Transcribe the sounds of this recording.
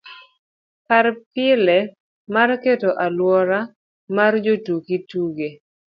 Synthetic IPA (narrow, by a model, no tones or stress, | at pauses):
kaɾpɪlɛ | marketoʔalwɔɾa | mard͡ʒotukituɡe